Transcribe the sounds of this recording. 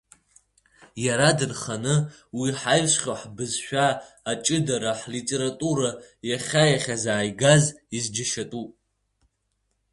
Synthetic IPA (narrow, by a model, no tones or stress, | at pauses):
jaɾadɨnχanɨ | wiħajʃχʲoħbɨzʃᶣaː | t͡ʃʼɨdaɾaħlitʼeɾatʼuɾajaχʲajaχʲazaːjɡazizd͡ʒaʃatʼupʼ